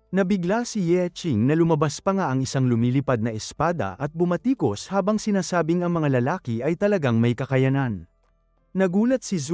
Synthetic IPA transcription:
nɐbɪɡlasijɛt͡ʃɪŋnɐlʊmɐbaspɐŋaʔɐŋɪsaŋlʊmiːlɪpad̪̚nɐʔɛspaːd̪ɐ̰ʔɐt̪̚bʊmɐt̪iːko̞shaːbɐŋsɪnaːsaːbɪŋɐŋmɐŋalɐlaːkɪʔɐjt̪ɐlɐɡaŋmɐjkɐkɐjɐnan | nɐɡuːlɐt̪̚siz

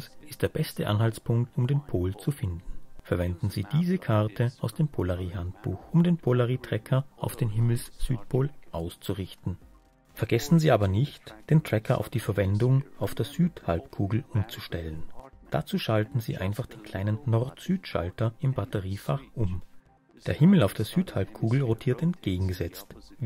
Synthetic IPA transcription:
sɪ̥std̥eːɐbɛstəʔa̰nhalt͡spʰʊŋk̚tʊmdeːnpʰoːlt͡sufɪndn̩fɛɐvɛndn̩ziːd̥iːzəkʰaʁtʰəaʊsd̥eːmpʰolaʁiːɦant̚b̥ṵːxʔʊmdeːnpʰolaʁiːtʁ̥ɛkʰɐʔaʊfd̥eːnɦɪml̩sz̥yːtpʰoːlʔaʊst͡suʁɪçtn̩ | fɛɐɡɛsn̩ziːʔaːbɐnɪçtd̥eːntʁ̥ɛkʰɐʔa̰ʊfd̥iːfɛɐvɛndʊŋaʊfd̥eːɐz̥yːtha̰lpkʰuːɡl̩ʔʊmt͡su̥ʃtɛlənd̥at͡suːʃaltn̩zḭːʔa̰ɪnfaχd̥eːnkʰl̥aɪnənːɔʁtz̥yːtʃa̰ltɐɪmbatəʁiːfaʁʔʊm | d̥eːɐhɪml̩aʊfd̥eːɐz̥yːthalp̚kʰuːɡl̩ʁotʰiːɐtɛntɡ̥eːɡŋ̩ɡəzɛt͡st

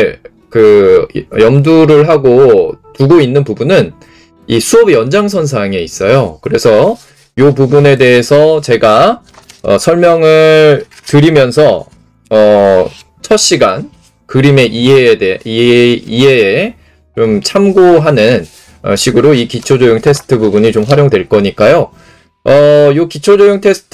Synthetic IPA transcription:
kɯ | jʌmduɾɯɭɦaɡotuɡoinːɯnpubunɯn | isʰuʌbjʌnd͡ʑaŋsʰʌns̬ʰaŋe̞is͈ʌjokɯɾe̞sʰʌ | jopubune̞de̞ɦesʰʌt͡ɕe̞ɡa | ʌ̰sʰʌɭmjʌŋɯɭ | tɯɾimjʌnsʰʌ | ʌ | t͡ɕʰʌɕ͈ʰiɡa̰n | kɯɾime̞ʔiede | ie̞ː | t͡ɕomt͡ɕʰamɡoɦanɯn | ʌ̰ɕʰiɡɯɾoikit͡ɕʰod͡ʑojuŋtʰe̞s͈ʰɯ̥tʰɯbubuɲit͡ɕomɸwaɾjoŋdwe̞ɭk͈ʌɲik͈ajo | ʌjokit͡ɕʰod͡ʑojuŋtʰe̞sʰɯ̥tʰ

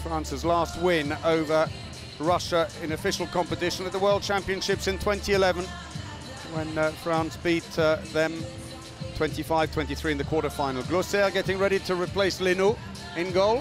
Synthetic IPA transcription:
fɹɑ̃ˑnsəzlɑˑst̚wɪ̃noʊvə˞ | ɹʌʃəɪ̃nɨfɪʃəl̩ˠkʰɑ̃mpətɪʃə̃nət̪̚ðəwɜ˞lˠd̚t͡ʃʰæ̃mpiɨ̃nʃɪpsɨ̃ntʰw̥ɛ̃ntiɪlɛvə̃n | wə̃nfɹɑ̃ˑnsb̥iˑtðə̃m | tʰw̥ɛ̃ntifaɪv̥tʰwɛ̃ntiθɹiːɨ̃nðəkʰwɔˑɾəfãɪnəl̩ˠɡlosɛɡɛɾɪ̃ŋɹɛɾɪtʰəɹɪpʰl̥eɪslɪnu | ɪ̃nɡoʊlˠ

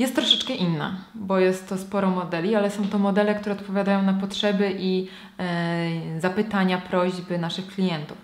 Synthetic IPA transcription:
jɛst̪ːɾɔʂɛt͡ʂkɛʔinːa̰bɔjɛst̪ːɔspɔɾɔmɔd̪ɛlʲialɛsɔ̃w̃t̪ɔmɔd̪ɛlɛkt̪uɾɛɔt̪pɔvʲjad̪ajɔ̃w̃napɔtʂɛbɘʔi | zapɘt̪aɲapɾɔʑbɘnaʂɘxklʲijɛnt̪uf

